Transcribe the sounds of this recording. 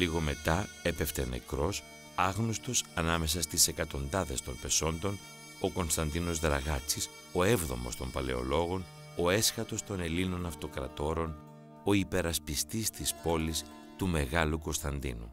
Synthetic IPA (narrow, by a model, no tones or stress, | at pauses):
liɣo̞me̞t̪ɐepe̞ft̪ḛne̞̰kɾo̞s | ɐɣnost̪o̞sɐnɐme̞s̬ɐst̪ise̞kɐt̪o̞nd̪ɐðe̞st̪o̞npe̞so̞nd̪o̞n | o̞ko̞nst̪ɐnd̪ino̞zðɾɐɣɐt͡sis | o̞e̞vðo̞̰mo̞st̪o̞mpɐle̞̰o̞̰lo̞ɣo̞n | o̞e̞sxɐt̪o̞st̪o̞ne̞lino̞nɐft̪o̞kɾɐ̰t̪o̞ɾo̞n | o̞ipe̞ɾɐspist̪ist̪ispo̞lis | t̪ume̞ɣɐluko̞nst̪ɐnd̪ḭnṵ